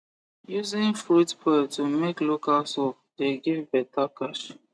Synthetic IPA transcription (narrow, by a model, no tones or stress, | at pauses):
juzĩŋfɹutpʰɛtumeklokalso | deɡivbɛtakaʃ